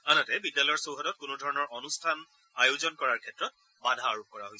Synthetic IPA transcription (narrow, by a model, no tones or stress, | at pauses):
anatɛbidjalɔjɔɹsowɦɔtɔt̚kʊnudʱɔɹɔnɔɹʔɔnustʰan | ajozɔnkɔɹaɹkʰɛtɹɔt̚ | badʱaːɹukɔɹaɦojs